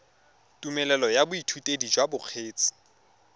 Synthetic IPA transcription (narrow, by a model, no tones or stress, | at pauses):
tʼumɛlɛlɔjabʊitʰutʼedid͡ʒwabʊq͡χʰeːt͡sʼɪ̥